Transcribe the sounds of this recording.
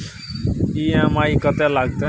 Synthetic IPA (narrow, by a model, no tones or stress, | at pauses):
iãmaːikət̪ɛlaɡ̚t̪e